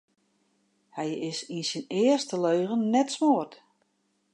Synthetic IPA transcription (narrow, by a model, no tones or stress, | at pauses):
hɛjɪsinsinɪərstəløːɣənːɛtsmoərt